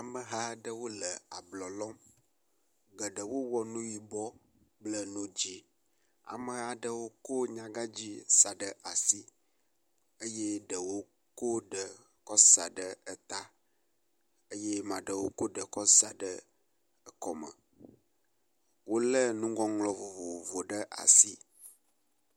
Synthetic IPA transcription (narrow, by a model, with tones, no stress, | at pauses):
a˨mə˨ɦa˦ɖə˦wo˦lə˨a˨blɔ˨lɔ˦m | ɡə˨ɖə˨wo˦wɔ˨nũ˦ji˨bɔ˦ | blə˦nũ˦d͡ʑi˦ | a̰˨mə˨ɦa˨ɖə˦wo˦ko˦ɲã˨ɡa˦d͡ʑi˦sa˨ɖə˨ʔa˨si˦ | ə˦je˦ɖə˨wo˦ | ko˦ɖə˨ | kɔ˦sa˨ɖə˨ə˨t̪a˦ | e˦je˦mã˨ɖə˨wo˦ko˦ɖə˨kɔ˦sa˨ɖə˦ | ə˨kɔ˨mə̰˨ | wo˦lə˦nũ˦ɡɔ̃˦ŋlɔ˨vo˨vo˨vo˨ɖə˦ʔa̰˨si˦